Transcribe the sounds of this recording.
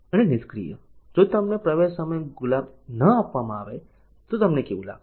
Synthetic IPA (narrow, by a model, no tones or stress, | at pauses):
ənenɪskɾḭjə̰ | d͡ʒot̪ɐmnepɾəʋeʃsəməjɡʊlaːb | nəapʋamãaʋe | t̪ot̪ɐmnekeʋula̰ːɡ